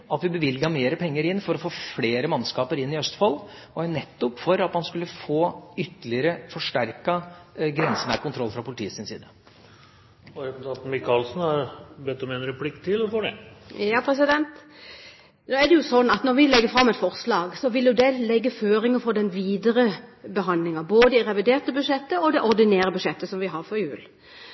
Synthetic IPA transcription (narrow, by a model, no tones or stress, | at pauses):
ɑt̪ʋɪbəʋɪlɡəhɑmeːɾəpʰɛŋːəɾɪnːfɔɾɔfoːfleːɾəmɑnskɑːpəɾɪnːɪœst̪fɑlː | ɔænɛt̪ːʊpːfɔɾɑt̪mɑnskʉlːəfoːʏt̪ːəlɪəɾəfɔʂʈæɾkɑɡɾɛnsənə̰kʰʊnt̪ʰɾɔlːfɾɑpʰʊlɪt̪ḭːəsɪnsḭːd̪ə | ɔɾɛpt̪ʰɑt̪nmɪkʰɑːlsnhɑɾbɛt̪ːɔmɛnɾɛpʰlɪkːt̪ʰɪlɔfɔɖɛ̰jɑːpʰɾɛs̬ɪd̪ɛnt̪ | noːɛd̪ɛjʊsɔnːɑt̪nɔɾʋɪlɛɡːəfɾɑmːɛt̪fɔʁslɑːɡsɔʋɪljʊd̪ɛlɛɡːəføːɾɪŋəfɔd̪ɛnʋiːd̪əɾəbəɦɑnd̪lɪŋɑboːd̪əɪɾɛʋɪd̪eːʁt̪əbʉʂɛt̪ːəɔd̪ɛʔɔɾd̪ɪneːɾəbʉʂɛt̪ːəsɔmʋɪɦɑɾfɔɾjʉːl